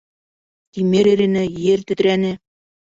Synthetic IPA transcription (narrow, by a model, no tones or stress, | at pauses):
t̪ʲimeɾeɾenɘ̆jert̪ɘ̆t̪ɾænʲɘ̆